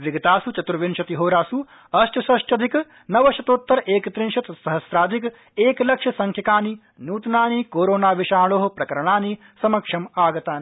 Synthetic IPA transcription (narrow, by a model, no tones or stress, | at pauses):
ʋiɡɐt̪aːsut͡ʃɐt̪ɾɐʋinʃɐt̪iɦoːɾaːsu | ɐʃʈɐsɐʃʈɐd̪ʱik | nɐʋɐʃɐt̪oːt̪ːɐɾʔeːkt̪ɾinʃɐt̪sɐɦɐsɾaːd̪ʱik | eːklɐkʂɐsɐŋkʰjɐkaːni | nuːt̪naːnikoːɾoːnaːʋiʃaːɭoːɦɐpɾɐkɐɾɐɳaːni | sɐmɐkʂɐmaːɡɐt̪aːni